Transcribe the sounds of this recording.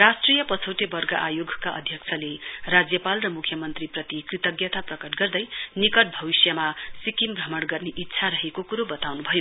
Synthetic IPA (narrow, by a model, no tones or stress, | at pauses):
rasʈrijʌpʌt͡sʰoʈebʌrɡaʔajoɡʱkaʔʌ̰d̪ʱjʌkt͡sʰʌlerad͡zjʌpalrʌmukʰjʌmʌnt̪riprʌt̪ikrit̪ʌɡjʌt̪aprʌkʌʈɡʌrd̪ʌjnikʌʈ̚bʱʌbisjamasikimbrʌmʌɽɡʌrneʔit̪ːsʰaɾʌɦekokuɾobʌt̪awnubʱʌjo